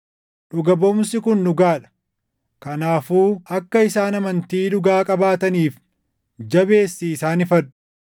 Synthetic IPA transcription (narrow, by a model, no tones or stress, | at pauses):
ᶑʊɡɐbɔmsɪkʊnːʊɡaːᶑɐ̥ | kɐnaːfuːɐkːɐɪsaːnɐmɐnt̪iːᶑʊɡaːkʼɐbaːt̪ɐniːf | d͡ʒɐbe̞ːsːiɪsaːnɪfɐᶑʊ̥